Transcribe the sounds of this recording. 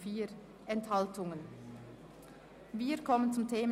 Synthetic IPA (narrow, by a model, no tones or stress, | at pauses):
fiːɾ | ʔɛnthaltʊŋən | viːkʰɔmənt͡sʊmtʰeːmə